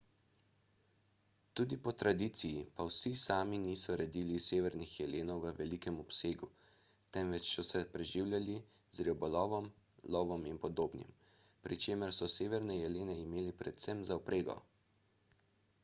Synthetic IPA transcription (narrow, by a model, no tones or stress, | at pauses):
t̪uːd̪ipɔt̪ɾad̪iːt̪sijipawsisaːminiːsɔɾɛd̪iːliseːʋɛɾnixjɛleːnɔwʋəʋɛlikɛmɔpseːɡu | t̪ɛmʋɛt͡ʃsɔsɛpɾɛʒiwlʲjali | zɾiɔbɔlɔːʋɔm | lɔʋɔminpɔd̪oːbnḭm | pɾit͡ʃeːməɾsɔseːʋɛɾnɛjɛleːnɛimeːlipɾɛt̪sɛmzaɔpɾʔeːɡɔ̰